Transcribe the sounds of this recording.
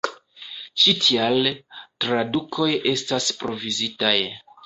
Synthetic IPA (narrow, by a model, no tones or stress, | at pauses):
t͡ʃitʰialtɾadukʰo̞je̞staspɾo̞vizitaj